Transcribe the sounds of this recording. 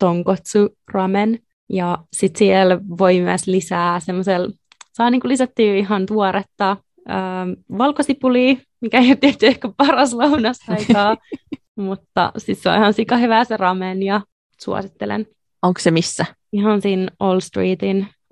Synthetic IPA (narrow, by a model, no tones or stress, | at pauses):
t̪oŋkot̪su | rɑmen | jɑsit̪siɛlʋoimyæslisæːsemːosel | sɑːniːŋkulisæt̪ːyːiɦɑnt̪uoɾet̪ːɑ | əːʋɑlkosipuliː | mikæeot̪iet̪ːyehkæpɑrɑslɑunɑsɑikɑː | mut̪ːɑ̰sit̪seɑ̰ihɑnsikɑhyʋæːserɑmenjɑ | sṵɑ̰sit̪ːelḛn | oŋksemisːæ | iɦɑnsinoːlst̪riːt̪in